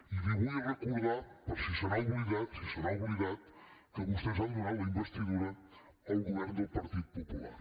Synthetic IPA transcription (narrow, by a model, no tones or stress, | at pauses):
iðiɣuɐrekuððɾaɾpɔɾsisɐɾawβɾiɣaðsisɐɾawβɾiɣaðkəβust̪eʒaðminalˠd̪ɐimbest̪iðuɾɐ | ɐwɣuβɛɾnd̪ʊpɐɾt̪iðupopula̰ɾ